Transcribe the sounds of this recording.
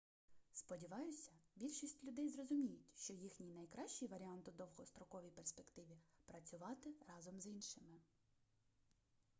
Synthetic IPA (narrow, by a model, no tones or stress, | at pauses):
spɔdʲiʋɑjʊsʲɐbʲilʲʃisʲtʲlʲʊd̪ɛjzrɔzʊmʲijʊtʲʃt͡ʃɔjixnʲijnɐjkɾɑʃt͡ʃijʋɐɾʲiɑnt̪ʊd̪ɔwɦɔst̪ɾɔkɔʋʲijperspekt̪ɪʋʲipɾɐt͡sʲʊʋɑt̪ɪɾɑzɔmzinʃɪmɪ